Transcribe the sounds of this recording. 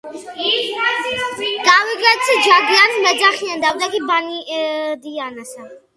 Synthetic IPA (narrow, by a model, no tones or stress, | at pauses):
ɡ̥aviɡɛt̪sʰd͡ʒaɡianmɛd̪zaχiand̪awd̪akibanid̪ianasa